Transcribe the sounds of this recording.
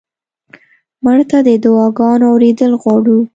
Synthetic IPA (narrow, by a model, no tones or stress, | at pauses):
mʊɳt̪ad̪əd̪ʊwɑɡɑnoawɾed̪əlɣwɑɽu